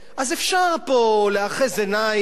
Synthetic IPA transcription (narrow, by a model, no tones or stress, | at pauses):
ʔazefʃaʁpoleaχezena